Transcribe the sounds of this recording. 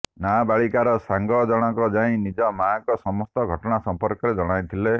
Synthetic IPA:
nabaɭikaɾɔsaŋɡɔd͡ʒɔɽ̃ɔkɔd͡ʒaĩnid͡ʒɔmaːkɔsɔmɔst̪ɔɡʱɔʈɔɽasɔmpɔɾkɔɾed͡ʒɔɽ̃aj̃t̪ʰile

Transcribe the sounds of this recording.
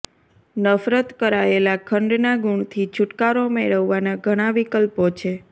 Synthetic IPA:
nəfɾət̪kəɾaelakʰəɳɖnaɡuɳt̪ʰit͡ʃʰuʈkaɾomeɭəʋːanaɡʱəɽ̃aʋikəlpot͡ʃʰe

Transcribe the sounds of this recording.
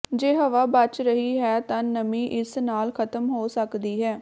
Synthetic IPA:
d͡ʒeːɦəʋaːbət͡ʃɾəɦiːɦɛːt̪ãːnəmĩːʔɪsnaːlkʰət̪əmɦoːsəkd̪iːɦɛː

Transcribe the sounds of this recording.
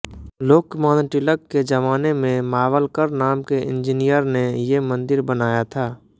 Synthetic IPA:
loːkːmãːnʈɪləkːed͡ʒəʋaːnemẽmaːʋəlkəɾnaːmkeɪ̰̃nd͡ʒɪnijəɾnejemə̃nd̪ɪɾbənaːjat̪ʰaː

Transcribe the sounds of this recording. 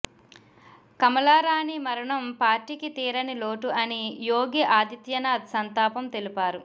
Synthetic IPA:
kɐmɐlaːɾaːnimɐɾɐɳɐmpaːɾʈikit̪iːɾɐniloːʈuʔɐnijoːɡiʔaːd̪it̪jɐnaːd̪sɐnt̪aːpɐmt̪e̞lipaːɾu

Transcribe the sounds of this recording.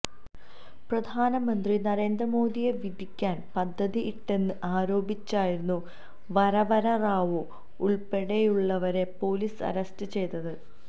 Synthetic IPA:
prɐd̪ʱaːnɐmɐnd̪rinɐɾe̞ːnd̪rɐmo̞ːd̪ije̞ʋid̪ʱikʲːaːnpɐd̪ʱːɐðiʔiʈːe̞nːɨʔaːɾo̞ːbit͡ɕːaːjiɾunːu | ʋɐɾɐʋɐɾɐraːʋu | uɭpe̞ɽejuɭːɐʋɐɾe̞po̞ːliːsɐ̰ɾɐstɨt͡ɕe̞jt̪ːɐðɨ

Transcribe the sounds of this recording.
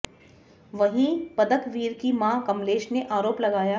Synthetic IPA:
ʋɐɦĩpɐd̪əkʋiːɾkimãːkɐmleːʃneʔaːɾoːplɐɡaːjaː

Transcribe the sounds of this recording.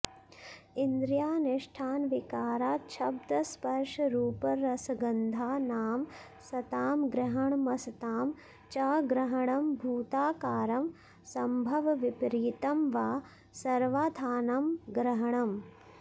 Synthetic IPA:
ind̪ɾjaːnɪʂʈʰaːnʋikaːɾaːt͡ʃʰɐb̚d̪ɐspɐɾʂɐɾuːpɐɾɐsɐɡɐnd̪ʱaːnaːm | sɐt̪aːmɡɾɐɦɐɳmɐsɐt̪aːm | t͡ʃaːɡɾɐɦɐɳɐmbʱuːt̪aːkaːɾɐm | sɐmbʱɐʋʋipɾiːt̪ɐmʋaː | sɐɾʋaːd̪ʱaːnɐmɡɾɐɦɐɳɐm

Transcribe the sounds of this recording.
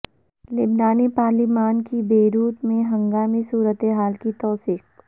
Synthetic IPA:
lɪbnaːnipaːɾlimaːnkibeːɾuːt̪mẽɦɐ̃ŋɡaːmisuːɾət̪eɦaːlkit̪ɔːsiːk̚

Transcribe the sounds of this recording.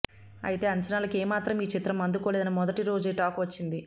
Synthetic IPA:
ɐ̰jit̪e̞ːɐɲt͡ʃɐnaːlɐkeːmaːt̪ɾɐmiːt͡ʃit̪ɾɐmɐnd̪ukoːleːd̪ɐnɐmɔd̪ɐʈiɾo̞ːd͡ʒeːʈaːkʋɐt͡ʃːind̪i

